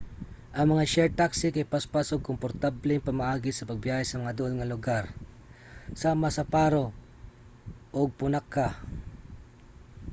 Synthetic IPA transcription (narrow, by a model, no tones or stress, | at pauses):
ʔɐŋmɐŋaʃɛɹt̪aksɪkajpaspasoɡ̚kompoɾt̪ablɪŋpɐmaʔaːɡɪsɐpɐɡ̚bjaːhasɐmɐŋad̪ʊʔonŋɐlʊɡaɾ | saːmasɐpaɾo | ʔoɡ̚pʊnakːa